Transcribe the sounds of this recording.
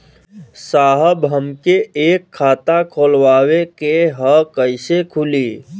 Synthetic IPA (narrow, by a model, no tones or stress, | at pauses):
saːɦəbɦəmkeeːkʰːaːt̪akʰoːlwaːwekeɦəkəɪsekʰʊliː